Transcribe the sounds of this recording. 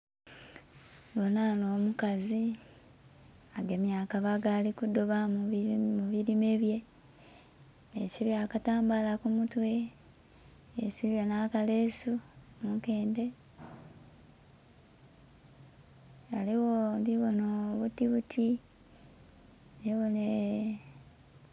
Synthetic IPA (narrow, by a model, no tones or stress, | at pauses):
βonanoːmukazi | aɡe̞mjaːkaβaɡaːlikudoβa | muβiɾime̞βje̞ | eciβjakataːmbalakumutwe̞ | esiβjonakale̞su | muke̞ːnde̞ | aliwondiβonoβutiβutʰi | neβone